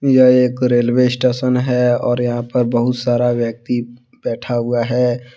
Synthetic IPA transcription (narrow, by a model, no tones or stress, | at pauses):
jeeːkɾeːlweɪsʈeːʃənɦɛɔːɾjɐɦãpɐɾbɐɦʊt̪saːɾaʋjək̚t̪i | b̥ɛːʈʰaɦʊaɦɛ